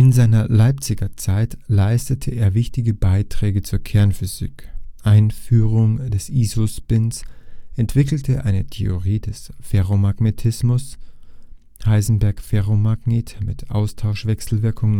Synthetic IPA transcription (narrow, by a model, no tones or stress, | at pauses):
ʔɪnzaɪnɐlaɪp̚t͡sɪɡɐt͡saɪtlaɪstətʰəʔeːɐvɪçtɪɡəbaɪtʁ̥ɛːɡət͡suːɐkʰɛɐnfyzḭkʔaɪnfyːʁʊŋd̥ɛsʔiːzospɪnsʔɛntv̥ɪkl̩tʰəʔaɪnətʰeoʁiːd̥ɛsfeʁomaɡnetʰɪsmʊs | haɪzn̩bɛɐkfeʁomaɡneːtmɪtʰʔa̰ʊstʰaʊʃv̥ɛksl̩vɪɐkʰʊŋ